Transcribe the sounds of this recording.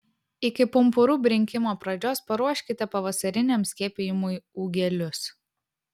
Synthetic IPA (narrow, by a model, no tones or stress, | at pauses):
ɪkʲɪpʊmpʊɾuːbʲɾʲɪŋʲkʲɪmoːpɾɐd͡ʒʲoːspɐɾuɔʃʲkʲɪt̪ʲɛpɐʋɐsɐɾʲɪnʲɛmsʲkʲiɛːpʲejɪmʊɪuːɡʲɛlʲʊs